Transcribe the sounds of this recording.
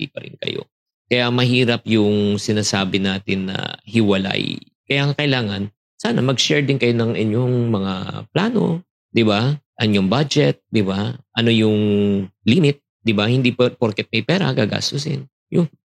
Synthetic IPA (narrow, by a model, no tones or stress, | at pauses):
ḭːpɐɾɪ̰nkɐ̰jo̰ | kɐjamɐɦiːɾɐpjʊŋsɪnaːsaːbɪnaːt̪ɪnːɐ̰hɪwɐla̰j | kɐjaŋakɐʔɪlaːŋɐn | saːnɐmɐɡʃɛɹd̪ɪnkɐjonɐŋʔɪɲoŋmɐŋa̰plaːno̞̰ | d̪ɪbaʔɐnjʊŋbad͡ʒɛt̪̚d̪ɪbaʔɐno̞jʊŋlimɪt̪̚ | d̪ɪbahɪnd̪ippoɾkɛt̪̚mɐjpɛːɾɐ̰ɡaːɡa̰ːst̪osɪn | jʊ